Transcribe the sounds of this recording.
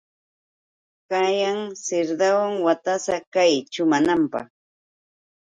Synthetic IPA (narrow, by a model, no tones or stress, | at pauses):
kajaŋsɪɾd̪awaŋwat̪asakajt͡ʃʊmanampɑ̰χ